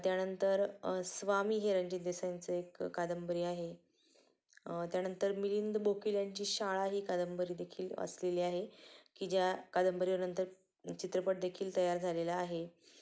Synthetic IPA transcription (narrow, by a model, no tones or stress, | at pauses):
t̪janənt̪əɾsʋamiːɦeɾəɲd͡ʑid̪esant͡səekːad̪əmbəɾiːaɦe | t̪janənt̪əɾmilind̪bokiljaɲt͡ɕiːɕaɭaɦiːkad̪əmbəɾiːd̪ekʰiːlə̰sleliːaɦekiːd͡ʑjakad̪əmbəɾiəɾnənt̪əɾ | t͡ɕit̪ɾəpəʈ̚d̪ekʰiːlt̪əjaɾd͡zʱalelaːɦe